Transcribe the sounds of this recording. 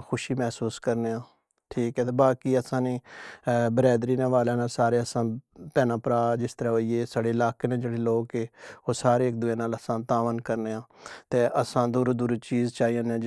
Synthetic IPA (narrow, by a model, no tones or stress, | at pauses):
xʊʃiːmɛːsuːskəɾneːãː | ʈʰiːkɛːt̪eːbaːkiːəsãːniː | bəɾɛːd̪ɾiːnẽːʋaːleːnaːsaːɾeːəsãːpɛːnãːpəɾaːd͡ʒɪst̪əɾaːɦoːiːeːsaɽeːlaːkeːnẽːd͡ʒeːɽeːloːkeoːsaːɾeːk̚d̪ʊẽːnaːləsãːt̪aːʋənkəɾneːãːt̪eːʔəsãːd̪uːɾd̪uːɾt͡ʃiːzt͡ʃaːiːãnẽː